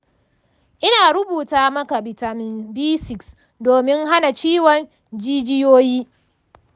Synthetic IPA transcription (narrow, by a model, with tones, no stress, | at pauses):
ʔɪ˦naː˨ɾʊ˦buː˨taː˦mɐ˦ka˨bɪ˨ta˨mɪ˨nbiː˦sɪ˨ks | doː˨mɪ˦ŋha˦na˨t͡ʃiː˦wɔ˨n | d͡ʒiː˦d͡ʒɪ˦joː˦jiː˦